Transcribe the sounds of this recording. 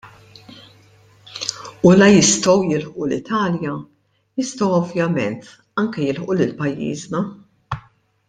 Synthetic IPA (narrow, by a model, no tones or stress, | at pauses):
ulɐjɪst̪ɔwjɪlħʔulɪt̪ʰɐːljɐ | jɪst̪ɔwɔvjɐmɛnt̪ | ɐŋkɛjɪlħʔulɪlpɐjːḭːznɐ